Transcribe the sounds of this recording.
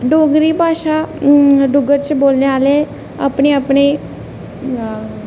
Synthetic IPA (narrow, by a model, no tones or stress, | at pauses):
ɖoːɡɾiːbʱaːʃa | ɖʊɡəɾt͡ʃboːlneaːle | a̰ːpɳeapɽe